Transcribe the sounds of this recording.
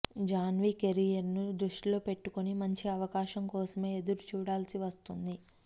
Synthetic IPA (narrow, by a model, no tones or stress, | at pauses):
d͡ʒaːnʋike̞ɾijɐɾnud̪ɾuʂʈilo̞ːpe̞ʈːukonimɐɲt͡ʃiɐʋɐkaːʃɐŋkɔːsɐme̞ːed̪uɾut͡ʃuːɽaːlsiʋɐst̪und̪i